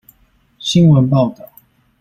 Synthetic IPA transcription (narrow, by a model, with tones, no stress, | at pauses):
ɕi˦nwə˨˦npɑ˥˨ʊt̪ɑ˥˨˩ʊ